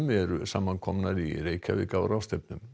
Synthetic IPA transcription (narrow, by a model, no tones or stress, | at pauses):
mɛɾʏ̰samːankʰɔmnaɾḭreːjcʰa̰vɪ̰kawɾawst̪ep̚nʏm